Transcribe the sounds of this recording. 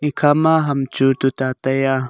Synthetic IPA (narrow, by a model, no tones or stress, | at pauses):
ikʰamaɦamt͡ʃut̪ut̪at̪aja